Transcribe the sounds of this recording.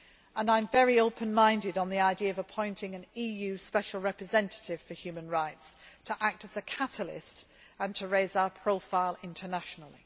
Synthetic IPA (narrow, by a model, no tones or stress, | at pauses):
ə̃nãɪ̃ɱvɛɹioʊpʰə̃nmãɪ̃ndɪdn̩ðiaɪdiəəvəpʰɔ̃ɪ̃ntɪ̃ŋə̃niːjʉːspɛʃəl̩ˠɹɛpɹɨzɛ̃ntə̥tɪv̥fəhjʉːmə̃nɹaɪtstʰəʔak̚təz̥əkʰatəlɪ̰st | ə̃ntʰəɹeɪzaʊəpʰɹ̥oʊfaɪlˠɪ̃ntʰənaʃənl̩ˠḭ